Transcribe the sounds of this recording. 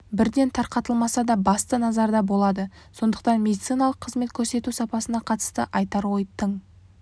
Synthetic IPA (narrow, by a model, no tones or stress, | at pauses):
bɪɾd̪e̞nt̪ʰɑɾqɑt̪əlˠmɑsɑd̪ɑbɑst̪ənɑzɑɾd̪ɑbo̞lˠɑd̪ə | so̞nd̪ə̥qt̪ɑnmʲe̞d̪it̪sijnɑlˠəqʰːəzme̞t̪kʲʰɵɾse̞t̪usɑpɑsənɑqʰɑt̪ə̥st̪əʔɑjt̪ɑɾwo̞jt̪ʰəɴ